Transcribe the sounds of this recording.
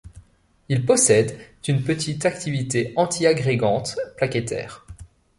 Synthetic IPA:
ilpɔsɛd̪d̪̥ynpət̪ʰit̪akt̪ivit̪eɑ̃t̪ʰiaɡʁeɡɑ̃t̪plaket̪ɛ̰ːʁ

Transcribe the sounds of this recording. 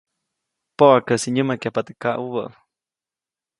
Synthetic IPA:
poʔakəsiɲəmakjapat̪ɨ̥kaʔuβəʔ

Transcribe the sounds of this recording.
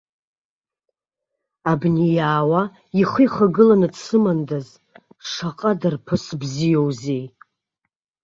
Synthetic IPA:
abnijaːwa | iχɨjχaɡɨlanɨdsʰɨmandaz | ʂaqʼadarpʰɨsbzijo̞wzej

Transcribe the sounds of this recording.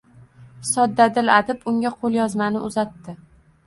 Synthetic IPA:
sɒd̪ːad̪ɪlad̪ɪpʊŋʲaqʰolˠjɒzmanɪʔʊzat̪ːɪ

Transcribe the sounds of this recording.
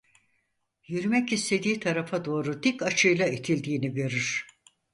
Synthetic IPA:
jyɾymɛcist̪ʰe̞d̪iːt̪ʰaɾafad̪o̞ːɾud̪ikat͡ʃʰɯjlˠait̪ʰilʲd̪iːniɟø̞ɾyɾ̥

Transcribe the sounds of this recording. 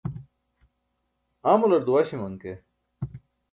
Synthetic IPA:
aːmulɐɾd̪uwaːɕimɐŋke

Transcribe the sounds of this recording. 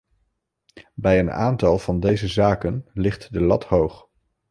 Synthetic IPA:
bɛjəna̰ːntɑlˠv̥ɑndejzəzaːkənlɪχtdəlɑthowχ

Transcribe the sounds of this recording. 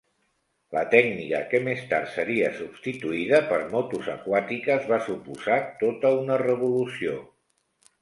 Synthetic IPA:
lət̪ɛɡnikə̰kemest̪a̰ɾt̪səɾiəsubst̪it̪uiðəpəɾmɔt̪uzəkwat̪ikəzβasupuzat̪ot̪əunərəβ̞ulusio

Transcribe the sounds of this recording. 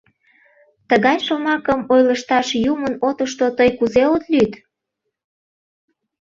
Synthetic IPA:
t̪əɣɑjʃomɑkəmojləʃt̪ɑʃjumənot̪əʃt̪ot̪əjkuzeot̪lyt̪

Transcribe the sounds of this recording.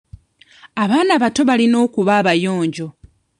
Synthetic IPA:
aβaːnaβato̞βalino̞ːkuβaːβajo̞ːɲɟo̞

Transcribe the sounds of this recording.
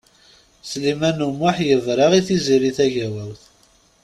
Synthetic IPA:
slimænumːaħjəvɾˤɑʁiθiziɾiθæʝæwæwθ

